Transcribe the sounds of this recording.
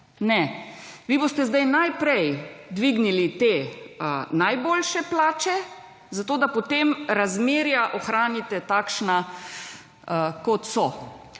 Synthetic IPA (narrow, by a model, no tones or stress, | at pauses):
nɛʋibost̪ɛzd̪ajnajpɾɛjd̪ʋiːɡnilit̪eː | najboːlʃɛplaːt͡ʃɛ | zat̪oːd̪apɔt̪emɾazmeːɾjaʔɔxɾaːnit̪ɛt̪aːkʃna | kɔt̪sɔ